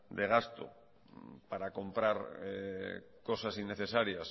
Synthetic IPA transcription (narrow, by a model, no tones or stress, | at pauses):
d̪eɣ̞ast̪o̰ | paɾako̞mpɾaɾe | ko̞sasinːeθe̞saɾjas